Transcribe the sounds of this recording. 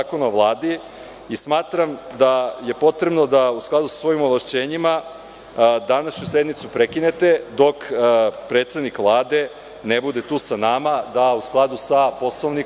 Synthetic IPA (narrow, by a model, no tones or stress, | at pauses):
akonaoʋlˠaːd̪i | ismaːt̪ɾamd̪aje̞po̞t̪ɾebno̞d̪ausklˠad̪usḁsʋo̞imoʋlaʃt͡ɕe̞ːɲima | d̪anaʃɲusje̞d̪nit̪supɾekine̞t̪e̞d̪o̞kpɾe̞t̪sed̪nikʋlˠaːd̪e̞ | nebud̪e̞t̪uːsanamad̪ausklˠad̪usapo̞sloʋni